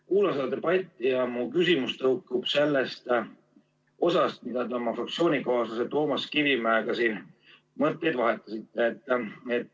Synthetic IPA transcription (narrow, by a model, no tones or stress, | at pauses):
kuːlɑnsed̪ɑd̪t̪eb̥ɑt̪ːˑijɑmukysimust̪ɤukːub̥se̞lːest̪ | o̞sɑst̪̚mid̪̥ɑt̪e̞omɑfrɑkt̪sio̞ːnʲikɑːsɑset̪o̞ːmɑskivimæekɑsiːn | mɤt̪ːˑejd̪vɑɦet̪ˑːɑsit̪ːˑe̞ːt̪ːˑet̪